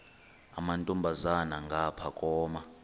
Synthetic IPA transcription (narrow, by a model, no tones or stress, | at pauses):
a̰mantʼumbʱazanaŋɡʱapʰakʼɔːma